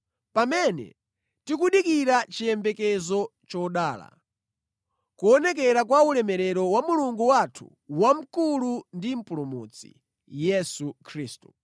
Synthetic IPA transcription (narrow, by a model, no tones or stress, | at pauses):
pamɛnɛ̰ | tikuɗikiɾat͡ʃijɛmbɛkɛzɔt͡ʃɔɗaːla̰ | kuɔnɛk̬ɛɾakwaulɛmɛɾɛɾɔwamuluŋɡuwatʰṵ | wam̩kulundim̩pulɔmut͡sḭ | jɛsukʰɾiːstu